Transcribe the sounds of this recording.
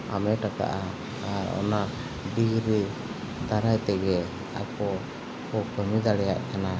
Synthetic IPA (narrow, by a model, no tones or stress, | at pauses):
a̰mɛʈaka̰ʔa | aɾɔ̰na | ɖiɡɾi | d̪aɾajt̪ɛɡɛ | a̰pɔ | ɔkəmid̪aɽɛjaʔkʰana